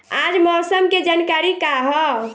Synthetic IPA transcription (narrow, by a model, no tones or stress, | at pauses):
ad͡ʒmɔːsəmked͡ʒankaɾikaɦɔ